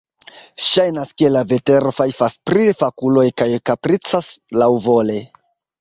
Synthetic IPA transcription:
ʃajnaske̞lave̞te̞ɾo̞fajfaspɾifakulo̞jkajkapɾit͡saslawvo̞le

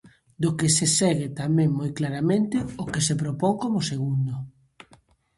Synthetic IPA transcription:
d̪ʊkesesɛɣɪt̪amɛ̃ŋmojklaɾamẽnt̪ɪokesepɾopowŋkomʊseɣ̞und̪ʊ

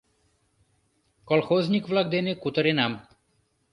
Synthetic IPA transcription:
kɔlxozɲʲikʋlaɡd̪enekut̪ɔɾenam

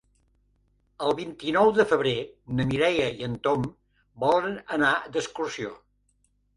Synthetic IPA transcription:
əlˠβint̪inɔwðəfəβ̞ɾenəmiɾɛjəiənt̪om | bɔlˠənənad̪əskursio

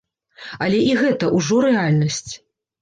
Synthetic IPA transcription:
ɐlʲɛʔiɣɛt̪ɐʔuʐɔɾɛalʲnɐsʲt͡sʲ

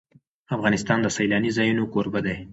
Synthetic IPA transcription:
afɣɑnɪst̪ɑnd̪əsajlɑnizɑjunokoɾbad̪aj

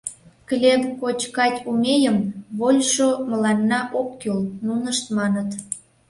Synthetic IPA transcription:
klʲebkot͡ɕkɑtʲumejəmβolʲʃoməlɑnːɑʔokːølnunəʃt̪mɑnət̪

